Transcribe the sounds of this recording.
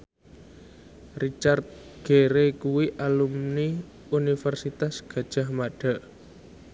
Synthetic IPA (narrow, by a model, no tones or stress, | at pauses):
rit͡ʃart̪̚ | ɡ̥eɾekuwiʔalumni | unifɛrsit̪asɡ̥ä̤d̥ʒ̥a̤hmaɖ̥a̤ʔ